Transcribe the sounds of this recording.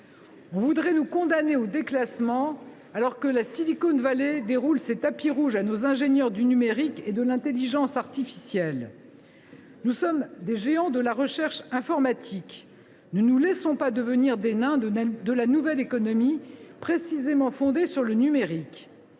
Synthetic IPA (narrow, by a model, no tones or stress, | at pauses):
ɔ̃vud̪ʁɛnukɔ̃d̪aneod̪eklasmɑ̃ | alɔʁkəlasilikonvaled̪eʁulset̪apiʁuʒanozɛ̃ʒenjœʁd̪ynymeʁiked̪əlɛ̃t̪eliʒɑ̃saʁt̪ifi̥sjɛl | nusɔmd̪eʒeɑ̃d̪əlaʁəʃɛʁʃɛ̃fɔʁmat̪ʰik | nənulɛsɔ̃pad̪əvəniʁd̪enɛ̃d̪əlanuvɛlekɔnɔmipχesizemɑ̃fɔ̃d̪esyʁlənymeʁik